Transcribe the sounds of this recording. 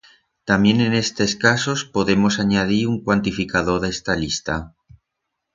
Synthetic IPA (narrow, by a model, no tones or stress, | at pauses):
t̪amje̞ne̞ne̞st̪e̞skaso̞spo̞ðe̞mo̞saɲað̞iɾuŋkwant̪ifikað̞o̞ðest̪alist̪a